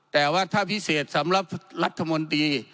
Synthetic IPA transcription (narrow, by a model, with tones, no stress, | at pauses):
t̪ɛː˨˩waː˧˩t̪ʰaː˧˥˨pʰi˦˥˩seː˨˩t̪̚sa˨˦mla˧˩p̚la˦˥t̪ʰːa˧mo˧nt̪iː˧